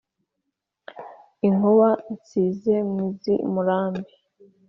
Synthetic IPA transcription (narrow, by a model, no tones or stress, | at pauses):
iŋoβait͡siːze̞mmizimuɾaːmbi